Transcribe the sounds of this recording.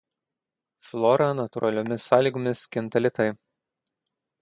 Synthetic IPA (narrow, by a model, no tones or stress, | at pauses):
flˠɔɾɐnɐt̪ʊɾʔɐlʲomʲɪsːɑːlʲiːɡomʲɪskʲɪnt̪ɐlʲɪt̪ɐɪ